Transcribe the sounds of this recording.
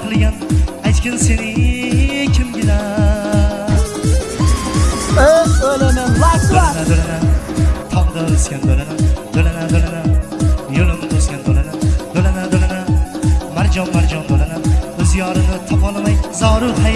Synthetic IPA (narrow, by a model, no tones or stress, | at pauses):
qʰɨlˠɡʲanajt̪kʲɪnse̞nɪŋ | kʲʰɪmɡʲɪna | olanaad̪olanad̪olanat̪ʰɒpɨd̪alɪskʲand̪olanad̪̥olanad̪olanajolɪmd̪oskʲand̪olanad̪̥olanad̪olanamaɾd͡ʒɒnmaɾd͡ʒɒnd̪olanaɵzjɒɾɨnɪt̪ʰɒpɒlˠamajzɒːɾʊɾt̪ʰa